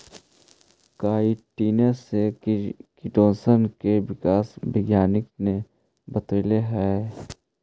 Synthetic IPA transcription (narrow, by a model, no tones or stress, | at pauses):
kaːiʈiːnesekɪʈõːsənkeʋɪkaːsbɪɡjaːnɪk̚ne | bɐt̪eːleɦɛ